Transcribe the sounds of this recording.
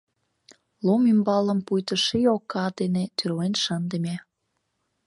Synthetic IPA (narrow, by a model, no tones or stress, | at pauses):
lomimbɑlə̆mpujt̪ə̆ʃijokːɑd̪enet̪ʰyrlenʃənd̪ə̆mʲe